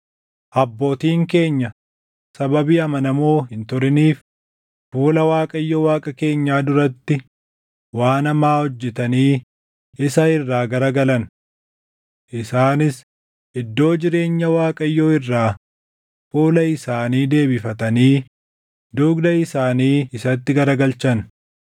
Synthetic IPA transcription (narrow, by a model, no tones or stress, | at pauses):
ʔɐbːo̞ːt̪iːŋke̞ːɲːɐ | sɐbɐbiːɐmɐnɐmoːɦɪnt̪ʊɾɪniːf | fuːlɐwaːkʼɐjːowaːkʼɐke̞ːɲːaːd̪ʊɾɐt̪ːɪ | waːnɐmaːhɔd͡ʒːɛt̪ɐniː | ɪsɐɪrːaːɡɐɾɐɡɐlɐn | ʔɪsaːnɪs | ʔɪd̪ːo̞ːd͡ʒɪɾe̞ːɲːɐwaːkʼɐjːoːɪrːaː | fuːlɐɪsaːniːd̪e̞ːbɪfɐt̪ɐniː | d̪ːʊɡd̪ɐɪsaːniːɪsɐt̪ːɪɡɐɾɐɡɐlt͡ʃɐn